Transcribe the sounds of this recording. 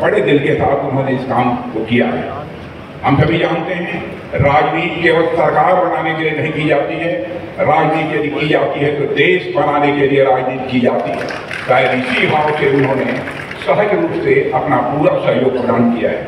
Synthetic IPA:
bɐɽed̪ɪlkesaːt̪ʊnɦõneɪskaːmkokija̰ɦɛ̰ː | ɦɐmsɐbʱid͡ʒãːnt̪eɦɛ̃ | ɾaːd͡ʒniːt̪keːʋəlsɐɾkaːɾbɐnaːnekelienɐɦĩkid͡ʒaːt̪iɦɛ | ɾaːd͡ʒniːt̪elkid͡ʒaːt̪iɦɛt̪od̪eːʃbɐnaːnekelieɾaːd͡ʒniːt̪̚kid͡ʒaːt̪iɦɛː | t̪aːɾisibaːoseʊnɦõne | səɦəd͡ʒɾuːpseɐpnapuːɾasɐɦjoːɡ̚pɾəd̪ãːnɖkija̰ɦɛ̰ː

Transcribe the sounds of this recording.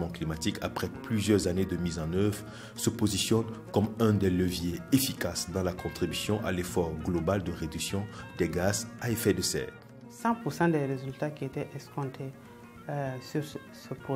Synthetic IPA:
mɑ̃klimat̪ikʰa̰pχɛplyzjœʁzaned̪əmizɑ̃nœvʁ | səpozisjɔnkɔmɛ̃d̪ɛləvjeefikasd̪ɑ̃lakɔ̃t̪χibysjɔ̃ʔa̰lefɔʁɡlobald̪əʁed̪yksjɔ̃d̪̥ɛɡazaefɛd̪əsɛ̰ː | sɑ̃puɾsɑ̃d̪ɛɾezylt̪akiet̪ɛʔɛskɔ̃t̪ʰe | syɾ | səp

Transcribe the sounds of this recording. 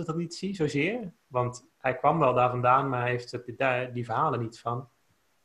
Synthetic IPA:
ədɑtnitsizowzɪːəɹ | ʋɑnt | hɛjkʋɑmʋɛlˠdaːɹvɑndaːnmaɹeftdadivəɹɦaːlˠənitfɑn

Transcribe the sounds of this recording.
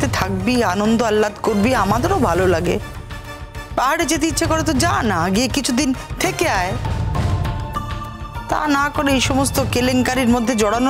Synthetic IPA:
t̪et̪ʰak̚bianond̪oalːat̪koɾbiamad̪eɾobʱalolaɡḛ | baɦaɽed͡ʑet̪̬eiːɕʰekoɾet̪od͡ʑanaɡiekit͡ɕʰud̪int̪ʰekeae | t̪a̰nakoɾeejʃɔmost̪okeleŋkaɾiɾmod̪ʱːed͡ʑɔɽano

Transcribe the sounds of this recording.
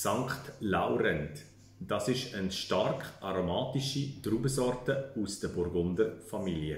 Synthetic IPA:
saŋkχtlaʊɾɛnt | d̥ɑːsɪʃənʃtarkʔaɾomaːtiʃitɾuːbəsɔɾtəusd̥əbʊɾɡʊndəfamiliə

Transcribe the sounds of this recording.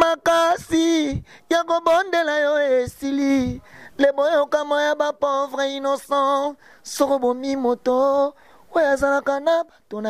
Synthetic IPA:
makasijakobondelajoesililebookamɔjabapovʁeinosɔ̃ | sokobomimoto | oazalakanabatona

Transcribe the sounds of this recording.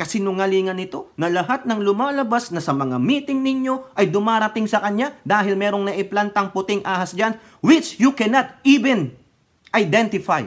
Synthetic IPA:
kɐsɛnʊŋɐliːŋɐnɪt̪o̞nɐlɐɦat̪̚nɐŋlʊmaːlɐbasnɐsɐmɐŋa̰miːt̪ɪŋnɪɲo̞ʔɐjd̪ʊmaːɾɐt̪ɪŋsɐkɐɲad̪aːɦɪlmɛːɾo̞ŋnɐʔɪplant̪ɐŋpʊt̪ɪŋʔaːhɐsd͡ʒan | wɪt͡ʃjukɛnɐt̪iːvɛn | ʔɐjd̪ɛnt̪ɪfaj

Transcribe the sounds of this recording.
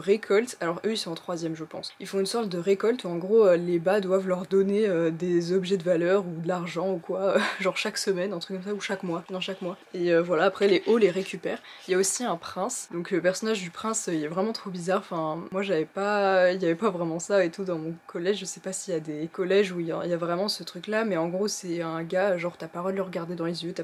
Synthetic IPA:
ʁekʰɔlt̪alɔʁʔøilsɔ̃ɑ̃t̪χwazjɛmʒəpɑ̰̃silfɔ̃ynsɔʁt̪̚d̪əʁekɔlt̪uɑ̃ɡʁoølebad̪wavlœʁd̪ɔneød̪ezɔbʒɛd̪əvalœʁud̪əlaʁʒɑ̃ukwaøʒɑ̃ʁʃaksəmɛnɛ̃t̪χykːɔms̬auʃakmwad̪ɑ̃ʃakmwa | eøvwalaːpχɛleʔoleʁekʲypɛːʁ | iljaosiɛ̃pχɛ̃sd̪ɔ̃kləpɛʁsɔnaʒd̪ypχɛ̃søilɛvʁɛmɑ̃t̪χobizaʁɑ̃fɛ̃mwaʒavɛpailjavɛpavʁɛmɑ̃saet̪ud̪ɑ̃mɔ̃kʰɔlɛʒʒəsɛpasijad̪ekɔlɛʒuija̰iljavʁɛmɑ̃sət̪χyklamɛɑ̃ɡʁosɛɛ̃ɡaʒɑ̃ʁt̪apaʁɔlləʁəɡaʁd̪ed̪ɑ̃lezjøt̪a

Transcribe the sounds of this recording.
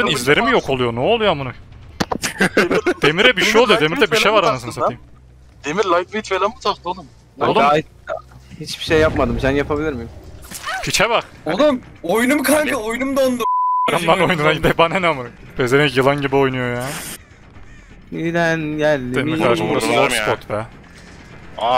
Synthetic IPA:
ɯnizlʲe̞ɾimijokʰo̞lˠujonoolˠujamunu | d̪̥e̞miɾɛbiʃejolˠujod̪e̞miɾd̪ɛbiʃejvaɾanasɯnsaiːim | d̪̥emiɾlʲˠajt̪vit̪felambut̪ʰast̪od̪um | olˠ | hit͡ʃbiʃejːapmad̪ɯmsænjapʰabilʲiɾmijmfʰit͡ʃʰɛbaɾ | olum | ojnumkʰaɾɯojunumd̪ond̪umaɾamd̪ano̞jununaɟid̪ɛbanenamuɾ | bezeɾɛcjɯlˠanɟibio̞jnujo̞jaː | id̪ænjæːnemiɾkaaɾʃmuɾaosppot̪bɛ | a

